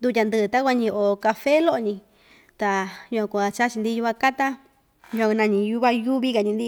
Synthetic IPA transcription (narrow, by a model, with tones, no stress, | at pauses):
nd̪u˧t̪̬ʲa˧nd̪ɨ˧t̪a˦kʷa˧ɲĩ˧ʔo˧ka˧fe˦lo˦ʔo˧ɲĩ˧ | t̪a˨ju˧ã˧kʷa˨˧t͡ʃa˦t͡ʃi˧nd̪i˦ju˧βa˧ka˦t̪a˦ | ju˧ã˧nã˧ɲĩ˧ju˦βa˦ju˦βi˦ka˨ɲĩ˧nd̪i˦